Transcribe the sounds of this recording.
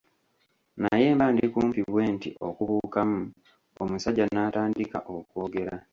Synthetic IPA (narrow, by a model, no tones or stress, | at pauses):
naje̞ːmbaːndikuːmpiβwe̞ːntiʔokuβuːkamu | omusaɟːanaːtaːndika̰ʔoko̞ːɡe̞ɾa